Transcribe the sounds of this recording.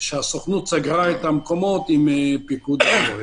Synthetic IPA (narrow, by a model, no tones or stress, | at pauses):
ʃasoχnut̪t͡saɡʁaɛt̪amkomot̪impikud̪